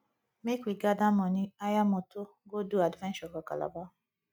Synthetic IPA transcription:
mekʷiɡadamɔniajamoto | ɡoduadvɛ̃nt͡ʃɔɡɔka̰la̰ba

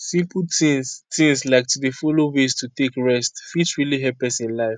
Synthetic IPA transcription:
sĩmpltĩtĩŋslaɪk̚tudefɔlowestutekɹɛstfitɹiliɦɛpɛ̃sĩnlaɪf

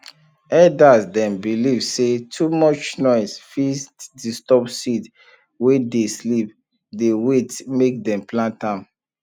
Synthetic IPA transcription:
ɛdasdɛ̃mbilivsetʰumɔt͡ʃnɔɪsfistdistɔpsit | wedeslip̚ | dewetmek̚dɛ̃mplãntãm

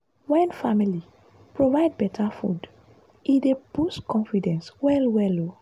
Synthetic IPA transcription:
wɛ̃nfamili | pɹovaɪd̚bɛtʰafṵd | idebuskʰɔ̃nfidɛ̃nswɛlwɛlo

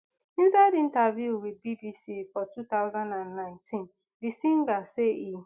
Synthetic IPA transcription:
ĩnsaɪdĩntavjuwid̚bibisifɔtʰutaʊzãndãnːãɪ̃ntʰĩn | disĩŋɡasei

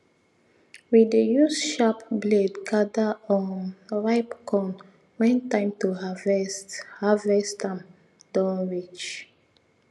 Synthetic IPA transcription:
widejusʃapbledkʰadaɔ̃nɹaɪpkʰɔ̃n | wɛ̃ntãɪ̃mtuhavɛsthavɛstãm | d̥ãnɹit͡ʃ

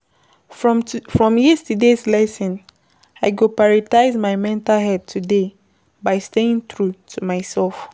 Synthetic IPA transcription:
fɹɔ̃mjistideslɛsɔ̃n | aɪɡopaɹitaɪzmaɪmɛ̃ntalɦɛd̚tʰude | baɪsteĩŋθɹutʰumaɪsɛlf

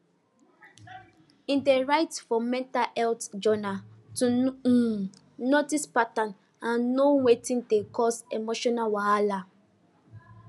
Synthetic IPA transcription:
ĩndeɹaɪtfɔmɛ̃ntalɛltd͡ʒɔnatu | nɔtispatãn | ãnːowetĩndekʰɔsemoʃɔnalwaala

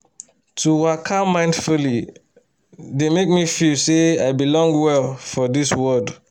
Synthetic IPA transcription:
tʰuwakʰãmːãɪ̃ndfuli | demek̚mifilseaɪbilɔ̃ŋɡwɛlfɔdiswɜd

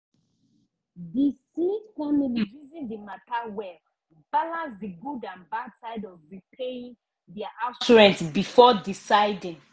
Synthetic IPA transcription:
disifamiliɹizĩdimatawɛ | balãnsdiɡudãnbadsaɪdɔvɹipʰeĩn | dɛaʔat͡ʃuɹɛ̃ntbifɔdisaɪdĩŋ

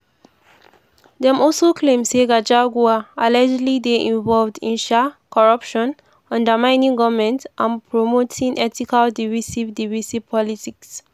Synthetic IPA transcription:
dɛ̃mɔlsokʰlẽmseɡad͡ʒaɡuaalad͡ʒlideʔĩɱvɔlvdḭ̃nʃɛkʰɔɹʌpʃɔ̃n | ɔ̃ndəmãɪ̃nĩŋɡɔvmɛ̃ntʔãnpʰɹomotʰĩŋʔɛtikaldivisivdivisipʰɔlitiks

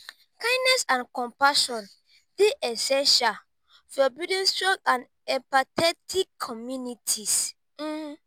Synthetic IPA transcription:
kãɪ̃nnɛsãnkɔ̃mpaʃɔ̃n | deʔɛsɛ̃nʃal | fɔbidĩnstɔ̃tãn | ɛ̃mpatɛtʰikʰːɔmjunitʰis̩

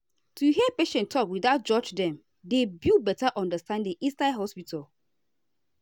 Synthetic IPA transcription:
tʰuɦiəpeʃɛ̃ntʰɔpwiðaʊt̚d͡ʒɔd͡ʒdɛ̃m | debilbɛtaʔɔ̃ndəstãndĩŋĩnstaɦɔspitʰal

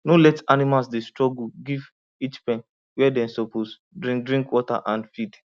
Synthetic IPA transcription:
nolɛtanimasdestɹɔɡuɡiv | it͡ʃpɛ̃n | wɛdɛ̃nsopos | dɾĩdɾĩŋkwɔta̰ʔãnfid

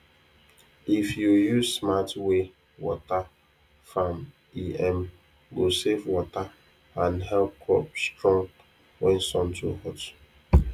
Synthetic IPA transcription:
ifjujuzsmatwe | wɔta | fam | iɛ̃m | ɡosevwɔta | ãnɦɛlp̚kʰɹɔp̚stɹɔ̃ŋ | wɛ̃nsɔ̃ntʰuhɔt

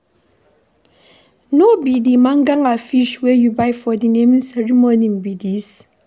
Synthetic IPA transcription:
nobidimãŋɡaŋafiʃwɛjubajfɔdinẽmnsɛɹimonĩmbidis

